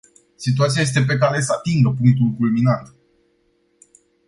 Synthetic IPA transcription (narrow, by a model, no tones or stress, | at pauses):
sit̪uat̪siajes̬t̪e̞p̬e̞k̬aɾe̞səat̪iŋɡəpuŋk̚t̪ulkulminant̪